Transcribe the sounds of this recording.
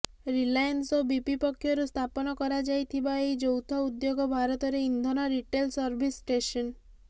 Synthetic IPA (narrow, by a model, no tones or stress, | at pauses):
ɾilajansɔbipipɔkʰːjɔɾust̪ʰapɔnɔkɔɾad͡ʒajt̪ʰibaejd͡ʒɔwt̪ʰɔud̪joɡɔbʱaɾɔt̪ɔɾeind̪ʱɔnaɾiʈelsɔɾbʱisʈesɔn